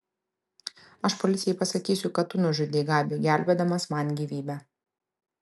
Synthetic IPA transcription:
ɐʃpɔlʲɪt̪sʲɪjɛɪpɐsɐkʲiːsʲʊkɐt̪ːʊnʊʒʲʊd̪ʲeɡɑːbʲiɡʲæˑlʲbʲɛːd̪ɐmɐsmɐnʲɡʲiːʋʲiːbʲɛ

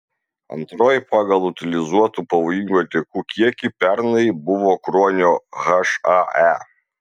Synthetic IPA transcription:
ɐ̰nt̪ɾoːjpɑɡɐlˠʊt̪ʲɪlʲɪzuɔt̪uːpɐʋoːjɪŋʲɡʲuːɐt̪ʲikuːkʲiɛkʲipʲɛɾnɐɪbʊʋoːkɾɔːnʲoːɣɐʃɐæ

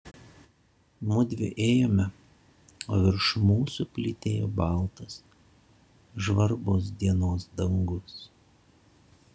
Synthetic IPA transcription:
mʊd̪ʲʋʲɪʔeːjoːmʲɛ | oːʋʲɪɾʃmuːsʊpʲlʲɪt̪ʲeːjoːbɑˑlˠt̪ɐs | ʒʋɐɾboːs̬d̪ʲiɛnoːsd̪ɐŋɡʊs

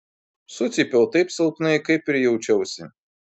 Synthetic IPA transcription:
sʊt̪sʲipʲɛlˠt̪ɐɪpsɐlˠpnɐɪkɐɪpʲɪɾʲjɛʊt͡ʃʲɛʊsʲɪ

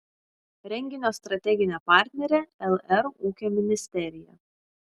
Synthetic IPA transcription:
ɾʲɛŋʲɡʲɪnʲoːst̪ɾɐt̪ʲɛɡʲɪnʲɛpɑˑɾʲt̪ʲnʲɛɾʲeːɛlˠɛɾuːkʲoːmʲɪnʲɪsʲt̪ʲɛɾʲɪjɛ̰

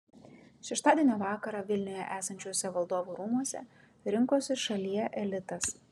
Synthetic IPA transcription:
ʃʲɛʃt̪ɑːd̪ʲiɛnʲiʋɑːkɐɾɑʋʲɪlʲnʲʊjɛʔæːsɐnʲt͡ʃʲoːsʲɛʋɐlˠd̪oːʋuːɾuːmuɔsʲɛ̰ | ɾʲɪŋkoːsʲɪʃɐlʲijɛʔɛlʲɪt̪ɐs

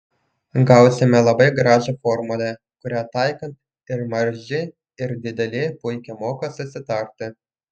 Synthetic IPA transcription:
ɡɐˑʊsʲɪmʲɛlˠɐbɐɪɡɾɑːʒɐfɔɾmʊlʲɛ | kʊɾʲæt̪ɑɪkɐnt̪ | ɪɾmɐɾʲʒʲɪ | ɪɾd̪ʲɪd̪ʲɛlʲɪpʊɪkʲɛmoːkɐsʊsʲɪt̪ɐɾʲt̪ʲɪ

